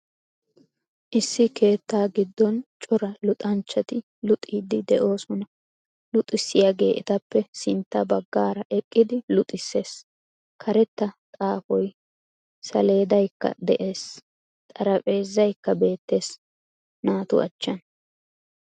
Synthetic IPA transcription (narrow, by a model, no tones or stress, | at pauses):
ʔɪsːɪkʰe̞ːt̪ːaːɡɪd̪ːɔnt͡ʃʼɔɾɐlʊt̪ʼɐnt͡ʃːɐt̪ɪ | lʊt̪ʼːiːd̪ɪd̪ɛʔo̞ːsɔnɐ | lʊt̪ʼːɪsːɪjaɡe̞ːʔɪt̪ɐpːɛsɪnt̪ːɐbɐɡːaːɾɐʔɛkʼːɪd̪ɪlʊt̪ʼɪsːe̞ːs | kʰɐɾɛt̪ːɐt̪ʼaːfɔj | sɐ̰le̞ːd̪ɐjkːɐ̰d̪ɛʔe̞ːs | t̪ʼɐɾɐpʼe̞ːzːɐjkːɐbe̞ːt̪ːe̞ːs | naːt̪ʊ̰ɐ̰t͡ʃːɐn